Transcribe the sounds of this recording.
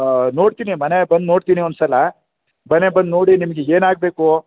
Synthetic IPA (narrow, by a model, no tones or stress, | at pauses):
no̞ːɽt̪iːnimɐnebɐnd̪no̞ːɽt̪iːniond̪sɐlɐ | bɐnebɐnd̪no̞ːɽinimɐɡeeːnaːɡ̚beːku